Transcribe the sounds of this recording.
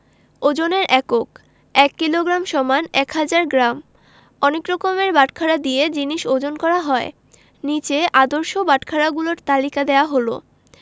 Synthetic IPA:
od͡ʑoneɾʔɛkok | ɛkːiloɡɾamʃɔmanɛkɦad͡ʑaɾɡɾam | ɔnekɾɔkomeɾbaʈkʰaɾad̪ied͡ʑiniʃod͡ʑonkɔɾaɦɔe | nit͡ɕeʔad̪oɾʃobaʈkʰaɾaɡuloɾt̪alikad̪eoaɦolo̰

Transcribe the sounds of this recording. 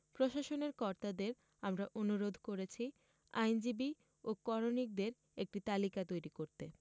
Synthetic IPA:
pɾoʃaʃoneɾkɔɾt̪ad̪eɾ | amɾaʔonuɾod̪ʱkoɾet͡ɕʰi | a̰jnd͡ʑibi | okɔɾonik̚d̪eɾ | ek̚ʈit̪alikat̪ojɾikoɾt̪e

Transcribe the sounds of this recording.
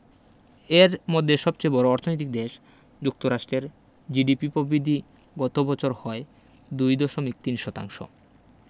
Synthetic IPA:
eɾmod̪ʱːeʃɔb̚t͡ɕejbɔɾoɔɾt̪ʰonojt̪ik̚d̪eʃ | d͡ʑuk̚t̪oɾaʃʈɾeɾ | d͡ʑiɖipipobɾid̪ʱi | ɡɔt̪obɔt͡ɕʰoɾhɔe | d̪ujd̪oʃomik̚t̪inʃɔt̪a̰ŋʃo̰

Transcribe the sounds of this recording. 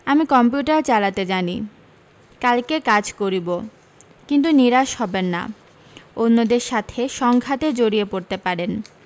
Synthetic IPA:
amikɔmp̬juʈaɾt͡ɕalat̪ed͡ʑani | kalkekad͡ʑkoɾibo | kint̪uniɾaʃhɔbenːa̰ | onːod̪eɾʃat̪ʰeʃɔŋɡʱat̪ed͡ʑoɾiepoɾt̪epaɾen

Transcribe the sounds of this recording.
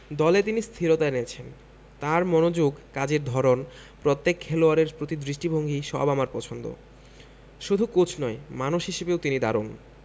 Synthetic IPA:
d̪ɔlet̪̬inist̪ʰiɾot̪aenet͡ɕʰen | t̪aɾmɔnod͡ʑoɡkad͡ʑeɾd̪ʱɔɾon | pɾot̪ːekʰːɛloaɾeɾpɾot̪id̪ɾiʃʈibʱoŋɡiʃɔ̰bamaɾpɔt͡ɕʰond̪o̰ | ʃud̪ʱukot͡ɕʰnɔemanoʃɦiʃebeowt̪inid̪aɾon

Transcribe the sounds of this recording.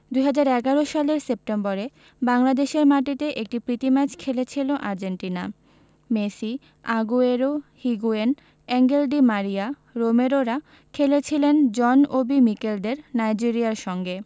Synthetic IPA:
d̪ujɦad͡ʑaɾɛɡaɾoʃaleɾsep̚ʈemboɾe | baŋlad̪eʃeɾmaʈit̪eʔek̚ʈipɾit̪imɛt͡ɕʰkʰelet͡ɕʰiloʔaɾd͡ʑeɳʈina | mesi | aɡueɾohiɡuen | ɛŋɡelɖimaɾia | ɾomeɾoɾa | kʰelet͡ɕʰilend͡ʑɔnobimikelɖ̪eɾnajd͡ʑiɾiaɾʃɔŋɡe

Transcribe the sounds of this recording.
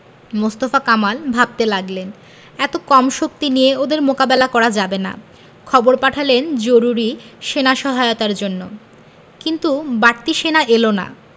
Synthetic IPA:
most̪ofakamalbʱab̚t̪elaɡlen | ɛt̪okɔmʃok̚t̪inijeod̪eɾmokabelakɔɾad͡ʑabena̰ | kʰɔboɾpaʈʰalend͡ʑoɾuɾiʃenaʃɔɦaeot̪aɾd͡ʑonːo | kint̪ubaɾt̪iʃenaʔelona̰

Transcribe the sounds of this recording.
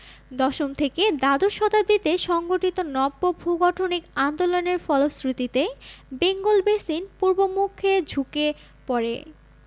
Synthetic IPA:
d̪ɔʃomt̪ʰeked̪ad̪oʃɔd̪ab̚d̪it̪eʃɔŋɡoʈit̪onɔbːobʱuɡɔʈʰonikand̪oloneɾfɔlosɾit̪it̪ebeŋɡolbesinpuɾbomukʰːed͡ʑʱuke | pɔɾḛ

